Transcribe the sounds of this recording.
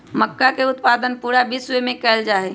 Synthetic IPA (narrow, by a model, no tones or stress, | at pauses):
məkːakeʊt̪paːd̪ənpuːɾabiswemẽkɛld͡ʒaːe